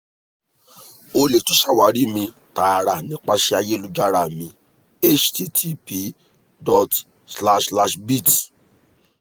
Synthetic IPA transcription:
o˧le˨to˨˦ʃa˦˨wa˨˦ɾi˦mĩ˧ | ta˨ɾa˨nĩ˨˦k͡pa˦ʃɛ˧a˧je˦lu˦d͡ʒa˦ɾa˦˨mĩ˧ | e˦t͡ʃti˦tʰi˦pi˧˦ | dɔ˨t | sla˦ʃla˧ʃbi˦˨ti̥˨

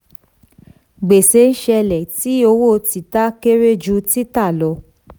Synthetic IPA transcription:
ɡ͡be˨se˨˧˦n̩˦ʃɛ˧lɛ˨ti˨˦o˧wo˦˨ti˨ta˦ke˦ɾe˦d͡ʒu˧˦ti˦ta˦˨lɔ˨˧

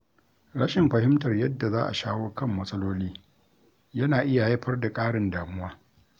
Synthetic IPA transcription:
ɽɐ˦ʃɪ˨mɸɐ˨ɦɪ˦mtɐ˨rjɐ˦dːa˨zaː˦ʔa̰˨ʃaː˦woː˦kɐ˦˨mːɐ˦sʼɐ˦loː˦liː˦ | jɐ˦naː˨ʔɪ˦ja˨jɐ˦ɸɐ˦rda˨kʼaː˦ɽɪ˨ndaː˨mʊ˦waː˦

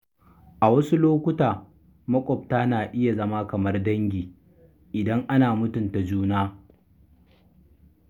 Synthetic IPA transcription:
ʔa˨wɐ˦su˦loː˦kʷʊ˦taː˨ | mɐ˦kʷʼɔ˨b̚taː˦naː˨ʔɪ˦ja˨zɐ˦ma˦kɐ˨mɐ˦rdɐ˦ŋɡʲiː˨ | ʔɪ˨dɐ˦ŋʔa˦naː˨mʊ˦tʊ˨nta˨d͡ʒuː˦naː˦

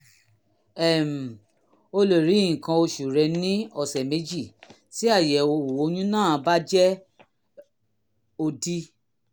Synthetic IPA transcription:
ɛ˨m̩˨ | o˧lo˨ɾi˨˦ĩ˨kã˧o˧ʃu˨ɾɛ˧nĩ˦ɔ˦˨sɛ˨me˨˦d͡ʒi˦˨ | ti˦a˦˨jɛ˨o˧˨o˨˦j̃ũ˦nãː˦˨˧ba˦d͡ʒɛ˦ | o˧di˦

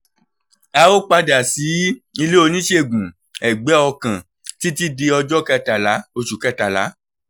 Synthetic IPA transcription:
a˧o˦k͡pa˧da˨si˨˦i˧le˦o˧nĩ˦ʃe˦˨ɡũ˨ | ɛ˨ɡ͡bɛ˨˦ɔ˧kã˨ | ti˦ti˦de˧ɔ˧d͡ʒɔ˦kɛ˦˧ta˨la˨˦o˧ʃu˨kɛ˦˨ta˨la˨˦

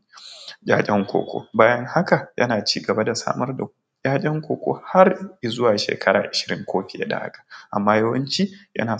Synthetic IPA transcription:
ɡʲʼaː˦kʲʼɛ˦ŋkʷo̰ː˨kʷo̰ː˦baː˦jɐ˦ŋha˦ka˨jʔɐ̰˦naː˨t͡ʃiː˦ɡɐ˨ba˦da˨sa̰ː˦mɐ˦rda˨ | kʲʼaː˦kʲʼɛ˦ŋkʷoː˨kʷo̰ː˦ha˦rji˨zʊ˦waː˨ʃḛː˨kʰɐ˦ɾa̰ː˨ʔɪ˨ʃɪ̥˨ɾɪ˦ŋkʷʰoː˦ɸɪ˨a̰˦da̰˨ha̰˦kḁ˨ʔa˨mːaː˦jɐ˦wɐ˦nt͡ʃi˦jɐ̰˦naː˨

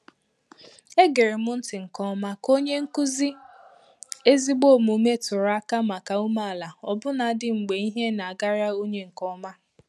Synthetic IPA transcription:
e˦ɡe˨ɾe˨mʊ˦n̩˦tɪ˨ŋ̩˨kɔ˦ma˦ko˦ɲe˦ŋ̩˦ku˦zi˦ | e˦zi˦ɡ͡bo˦˨mu˨˦me˦tʊ˨ɾa˦ka˦ma˨ka˨u˦ma˦a˨la˨ɔ˨bʊ˦na˨˦dɪ˦ŋ͡m̩˨ɡ͡be˨i˦ɦe˦na˨a˨ɡa˦ɾa˦o˦ɲe˦ŋ̩˨kɔ˦ma˦

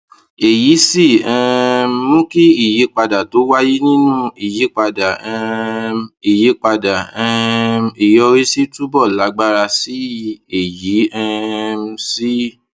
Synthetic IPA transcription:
e˨ji˨˦si˦˨ɛ̃˧˦mũ˦ki˦i˦˨ji˨˦k͡pa˧da˨to˨˦wa˦ji˦nĩ˦nũ˦i˨ji˨˦k͡pa˧da˨ɛ˧ | i˨ji˨˦k͡pa˧da˨ɛ̃˧˦i˨jɔ˧ɾi˦si˦tu˦bɔ˦˨la˨˦ɡ͡ba˦ɾa˧si˦e˨ji˨˦ɛ̃˧m̩˧˦si˦

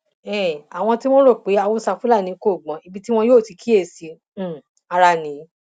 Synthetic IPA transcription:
ɛ˦˨a˨w̃ɔ̃˧ti˦w̃o˦ɾo˦˨k͡pe˨˦a˧wo˦sa˧fũ˦la˦˨nĩ˨˦ko˦˨ɡ͡bɔ̃˨˦i˧bi˦ti˦w̃ɔ̃˧joː˦˨ti˨˧ki˦e˦˨sĩ˨˧˨ | a˧ɾa˧˨nĩ˨˦

